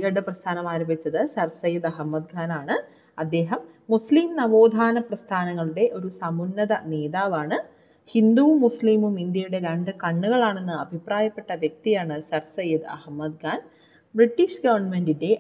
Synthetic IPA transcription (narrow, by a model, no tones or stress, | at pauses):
ɡɐɽɨprɐst̪ʰaːnɐmaːɾombit͡ɕːɐðɨsɐrsɐjɐd̪ɐɦɐmːɐd̪ɡaːnaːɳɨ | ɐd̪ːe̞ːɦɐmː | usliːmnɐʋo̞ːd̪ʱaːnɐprɐst̪ʰaːnɐŋːɐɭuɽe̞ʔo̞ɾusɐmunːɐðɐneːðaːʋaːɳɨ | hind̪uʋmːusliːmumind̪jɐjuɽe̞ɾɐɳɖɨkɐɳːuɣɐɭaːɳe̞nːɨɐbʱipraːjɐpːe̞ʈːɐʋjek̚t̪ijaːɳɨsɐrsɐjɐd̪ɐ̰hmːɐd̪̚ɡaːn | briʈːiʂɡɐʋɐrɳmendinde̞